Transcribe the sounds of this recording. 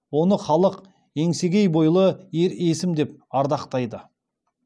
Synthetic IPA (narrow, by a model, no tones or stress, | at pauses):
wo̞nəχɑlˠəq | e̞ŋse̞ɡʲe̞jbo̞jlˠəeɾe̞sɪmd̪e̞p̚ɑɾd̪ɑqt̪ɑjd̪ə